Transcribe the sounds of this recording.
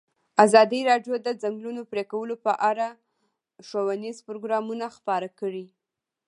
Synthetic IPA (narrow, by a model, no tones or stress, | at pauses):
azɑd̪iɾɑɖjod̪əzaŋɡlunopɾekawəlopəʔaɾa | ʃowanizpɾoɡɾɑmunaxpɑɾakəɽi